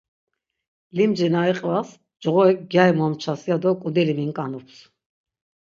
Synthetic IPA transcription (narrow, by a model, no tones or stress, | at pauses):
limd͡ʒɛnaiqʼvas | d͡ʒʁɔɛk̚ɡjajmɔmt͡ʃʰasiad̪ɔkʼud̪ɛlimiŋkʼanupʰs